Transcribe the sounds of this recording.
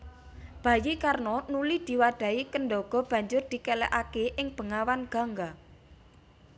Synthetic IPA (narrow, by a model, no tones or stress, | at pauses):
b̥ä̤jikarnɔnulid̪̥i̤waɖ̪̥ä̤ikənɖɔɡ̥ɔ̤b̥ä̤ɲd͡ʒʊrd̪̥i̤kɛlɛ̰ʔakeʔɪŋb̥ə̤ŋawanɡ̥a̤ŋɡa